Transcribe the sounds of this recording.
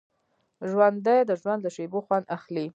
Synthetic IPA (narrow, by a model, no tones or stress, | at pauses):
ʒwand̪ajd̪əʒwand̪ləʃeboxwand̪axli